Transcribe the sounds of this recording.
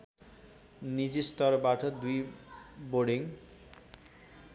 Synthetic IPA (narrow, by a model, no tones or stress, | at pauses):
nid͡ʑist̪ɔɾbaʈʰʌd̪ujboɖiŋ